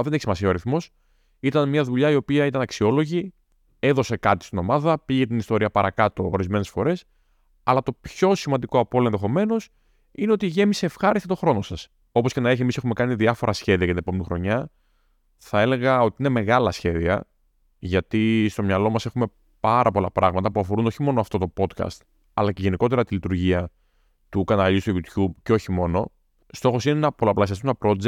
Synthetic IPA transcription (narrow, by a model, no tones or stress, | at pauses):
ðe̞ne̞çisimɐsiɐoɾiθmo̞s | it̪ɐnmɲɐðuʎɐio̞piɐit̪ɐnɐksio̞lo̞ʝi | e̞ðo̞se̞kɐt̪i̥st̪ino̞mɐðɐpiʝe̞t̪inist̪o̞ɾiɐpɐɾɐkɐt̪o̞ːɾizme̞ne̞sfo̞ɾe̞s | ɐlɐt̪o̞pço̞simɐnd̪iko̞ɐpo̞loenðexo̞me̞no̞s | ineo̞t̪iʝe̞mise̞ːfxɐɾist̪et̪o̞xɾo̞no̞sɐs | o̞pocenɐeçemise̞xume̞kɐniðiɐfo̞ɾɐsçe̞ðiɐjɐt̪ine̞po̞me̞nixɾo̞ɲɐ | θɐe̞le̞ɣɐo̞t̪iine̞me̞ɣɐlɐsçe̞ðiɐ̰ | ʝɐt̪ist̪o̞mɲɐlo̞mɐse̞xume̞ | pɐɾɐpo̞lɐpɾʔɐɣmɐt̪ɐpuɐfo̞ɾund̪o̞çimo̞noɐft̪o̞t̪o̞po̞t̪kɐ̰st̪ | ɐlɐce̞ʝe̞niko̞t̪e̞ɾɐt̪ilit̪uɾʝiɐ | t̪ukɐnɐlist̪ojʝut̪çubceo̞çimo̞no̞ | st̪o̞xo̞sinenɐpo̞lɐplɐsiɐst̪unt̪ɐpɾo̞d͡ze